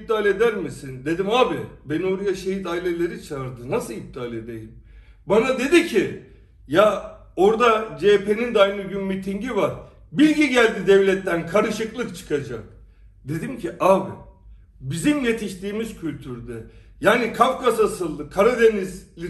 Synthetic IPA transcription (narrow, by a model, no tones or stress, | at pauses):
p̚t̪aːlʲe̞d̪æɾmisind̪e̞d̪imaːbibeno̞ɾajaʃejit̪ailʲe̞lʲe̞ɾit͡ʃʰaɾd̪ɯnasɯlip̚t̪ʰaːlʲe̞d̪ejim | banad̪e̞d̪icʰi | ja | o̞ɾd̪ad͡ʒepe̞nind̪ajnɯɟymmit̪ʰiɲɟivaɾ | bilʲɟiɟælʲd̪id̪ɛvlʲɛt̪ːænkʰaɾɯʃɯklˠɯkt͡ʃʰɯ̥kʰad͡ʒak̚ | d̪e̞d̪imcʰiʔaːbi | bizimje̞t̪ʰiʃt̪iːmizcʰylʲt̪ʰyɾd̪ɛ | jaːnikʰafkasasɯlˠːɯkʰaɾad̪e̞nizlʲi